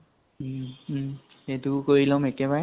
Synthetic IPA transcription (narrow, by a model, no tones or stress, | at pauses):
etukoɹilɔmekɛbaɹɛ